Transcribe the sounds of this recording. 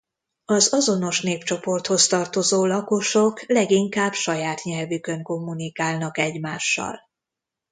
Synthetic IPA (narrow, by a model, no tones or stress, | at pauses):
ɒzɒzo̞no̞ʃn̪eːpt͡ʃo̞po̞rt̪ho̞st̪ɒrt̪o̞zoːlɒko̞ʃoklɛɡiŋkaːbʃɒjaːt̪ɲɛlvykøŋko̞mːunikaːlnɒkɛɟmaːʃːɒ̰l